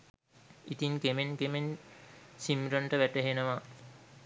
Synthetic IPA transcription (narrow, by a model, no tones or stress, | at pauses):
it̪iŋkemenkemen | simɾənʈəʋæʈəɦenəʋa